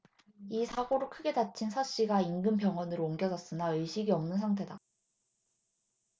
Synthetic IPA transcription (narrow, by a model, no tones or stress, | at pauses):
isʰaɡoɾokʰɯɡe̞dat͡ɕʰinsʰaɕ͈iɡaiŋɡɯmpjʌŋʌnɯɾooŋɡjʌd͡ʑʌs͈ɯnaɯɭɕʰiɡiʌmnɯns̬ʰaŋtʰe̞da